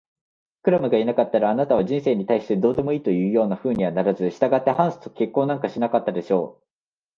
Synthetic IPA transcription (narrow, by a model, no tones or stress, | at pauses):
kɯ̟ɾamɯ̟ɡainakat̪ːaɾaːnat̪aβ̞aʑĩɰ̃se̞ːɲ̟it̪aiɕi̥t̪e̞d̪o̞ːd̪e̞mo̞iːt̪o̞jɯ̟ːjo̞ːnaɸɯ̟ːɲ̟iβanaɾazɨɕi̥t̪aɡat̪ːe̞hãɰ̃sɨ̥t̪oke̞kːo̞ːnãŋkaɕinakat̪ːad̪e̞ɕo̞̰ː